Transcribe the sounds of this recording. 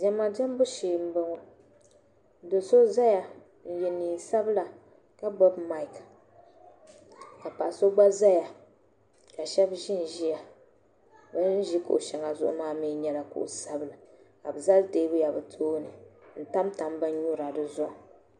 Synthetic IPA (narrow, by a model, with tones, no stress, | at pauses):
d͡ʒɛ˦ma˨dɛ˦m˦bʊ˦ʃiː˨m̩˦bɨ˦ŋɔ˨˦ | do˨so˦za˦ja˨ | n̩˦jɛ˨niː˨sa˦bla˨ | ka˦bɔ˦bma˦ɪ˨k | ka˨pa˨so˦ɡ͡ba˦za˦ja˨ | ka˨ʃɛ˦bʒɪ˦n˨ʒi˦ja˨ | bɨ˦n˦ʒi˦ko̰˨ʔʃɛ˨ŋa˨zʊ̰˦ʔʊ̰˦maː˦mi˦ɲɛ˦la˨kṵ˨ʔṵ˨sa˦bɨ˨lɨ˨ | ka˨bɨ˨za˦ldeː˦bʊ˦ja˨bɨ˨tʰoː˦nɨ˨n̩˦ta˦mta˨mbɨ˦n˦ɲu˦ɾa˨dɨ˨zʊ˦ʔ